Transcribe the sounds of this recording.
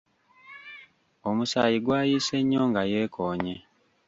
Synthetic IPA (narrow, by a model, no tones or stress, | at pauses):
omusa̰ːjiɡwaːjiːse̞ɲːo̞ːŋɡaje̞ːkʰoːɲe